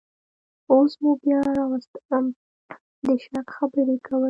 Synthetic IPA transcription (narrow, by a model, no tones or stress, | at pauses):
osmubjɑɾɑwast̪m | d̪əʃɑkxabəɾekawə